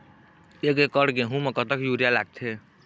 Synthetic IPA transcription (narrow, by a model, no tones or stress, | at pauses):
eɡekəɽkeɦũmekət̪əkjuɾijalaɡ̚t̪ʰe